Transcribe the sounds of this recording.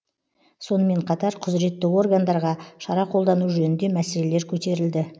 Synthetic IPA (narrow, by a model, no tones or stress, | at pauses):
so̞nəme̞ɴqʰɑt̪ɑɾqʰʊzɾe̞t̪ːɪo̞rɡand̪ɑɾʁɑʃɑɾɑqʰolˠd̪ɑnuʒɵnɪnd̪e̞mæse̞le̞le̞ɾkʲʰɵt̪e̞ɾɪld̪ɪ